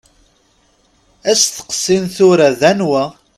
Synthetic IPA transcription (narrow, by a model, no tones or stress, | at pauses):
æsθə̥qə̥sːinθʊɾaðænwæ